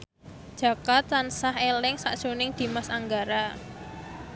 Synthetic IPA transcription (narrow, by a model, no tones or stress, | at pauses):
d̥ʒ̥ä̤kat̪lansahelɪŋsa̰ʔd̥ʒ̥o̤nɪŋd̪̥i̤masaŋɡaɾa